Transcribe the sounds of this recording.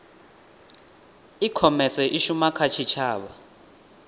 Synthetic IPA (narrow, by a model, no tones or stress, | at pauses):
ikʰɔmɛsɛʔiʃumakʰat͡ʃʰit͡ʃʰaːɓa̰